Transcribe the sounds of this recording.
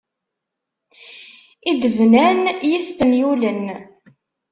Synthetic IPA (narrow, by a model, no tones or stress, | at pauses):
id̪əvnænjisfənjulən